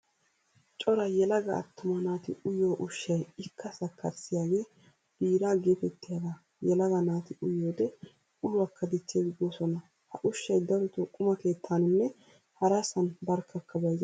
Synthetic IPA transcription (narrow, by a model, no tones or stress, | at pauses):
t͡ʃʼɔɾɐjɛlɐɡɐɐ̰t̪ːʊmɐnaːt̪ɪʊjoːʔʊʃːɐjɪkʰːɐsɐkːɐɾsɪjaːɡe̞ː | b̥iːɾaːɡeːfɛt̪ːɪjaːɡa | jɛlɐɡɐnaːt̪ɪʔʊjoːd̪ɛ | ʔʊlʊɐkːɐd̪ɪt͡ʃːeːɡɪɡoːsɔnɐ | hɐʔʊʃːɐjd̪ɐɾʊt̪ʊkʼʊmɐke̞ːt̪ʰːanɪnːɛ | hɐɾɐsɐnbɐɾkːɐkːɐbɐjz